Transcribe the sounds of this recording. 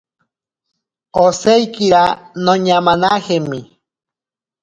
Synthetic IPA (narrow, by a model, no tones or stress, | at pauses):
osejkiɾanõɲamãnahemi